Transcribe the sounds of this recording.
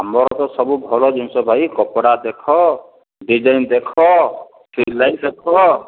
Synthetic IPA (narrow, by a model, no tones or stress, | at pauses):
ɦamɔɾɔt̪ɔsɔbubʱɔlɔd͡ʒunsɔbʱajkɔpɔɽad̪ekʰɔ | ɖid͡ʒajnd̪ekʰɔ | sɾilːajd̪ekʰɔ